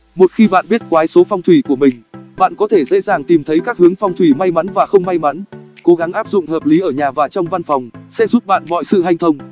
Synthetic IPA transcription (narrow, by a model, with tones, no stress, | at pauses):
mo˨˩t̚xi˧ɓa̰ː˧˨nɓi˦˥ət̚kwaː˨˦jso˨˦fɔ˧wŋ͡mt̪ʰwi˧˩ku˧˩əmï˨˩ŋ̟ɓa̰ː˧˨nkɔ˨˦t̪ʰe˧˩zḛ˧˥zaː˨˩ŋt̪i˨˩mt̪ʰə˨˦jkaː˦˥k̚hɨ˨˦əŋfɔ˧wŋ͡mt̪ʰwi˧˩ma˧jma˨˦nvaː˨˩xə˧wŋ͡mma˧jma˨˦nko˨˦ɣa˨˦ŋʔaː˦˥p̚zʊ̰˧˨ŋ͡mhəː˨˩p̚li˨˦ʔəː˧˩ɲaː˨˩vaː˨˩t͡ɕɔ˧wŋ͡mva˧nfɔ˨˩wŋ͡msɛ̰˧˥zu˦˥p̚ɓa̰ː˧˨nmɔ̰˧˨jsɨ̰˧˨ɦa˧j̟t̪ʰə˧wŋ͡m